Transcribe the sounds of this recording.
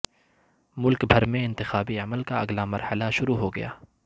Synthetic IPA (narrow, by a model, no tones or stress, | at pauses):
mʊlkbʱɐɾmẽɪ̃nt̪ɪxaːbiɐməlkaɐɡlamɐɾhəlaʃʊɾuɦoɡɐja̰ː